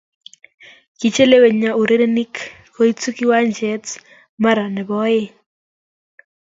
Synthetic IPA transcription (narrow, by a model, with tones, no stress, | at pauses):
ki˨t͡ʃe˦le˦we˨ɲa˨u˨ɾe˦ɾe˦ni˦k | ko˦i˦t͡su˦ki˦wa˦nd͡ʒɛ˦t | ma˦ɾa˨nɛ˨bɔ˦je˦